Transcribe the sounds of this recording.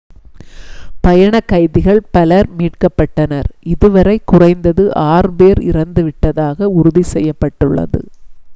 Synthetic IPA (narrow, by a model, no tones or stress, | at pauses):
pɐjɐɳɐkːɐɪðɪɣɐɭpɐlɐɾmiːʈ̚kɐpːɐʈːɐnɐɾɪðɯʋɐɾɐɪkːʊrɐɪnd̪ɐðɯʔaːrɯbeːɾɪ̰ɾɐnd̪ɯʋɪʈːɐðaːɣɐʊɾʊðisɛjːɐpːɐʈːɯɭːɐ̰ðɯ̰